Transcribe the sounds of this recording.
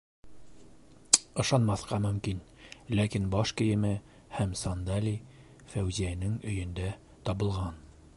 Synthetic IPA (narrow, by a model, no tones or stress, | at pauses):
ɤ̆ʃɑnmɑθqɑmɵ̆mkin | lækinbɑʃkɘ̆jɘ̆mɘ | hæmsɑnd̪ɑlʲi | fæwziænɘŋɵ̆jɵ̆nd̪æ | t̪ɒβɤ̆lˠʁɑn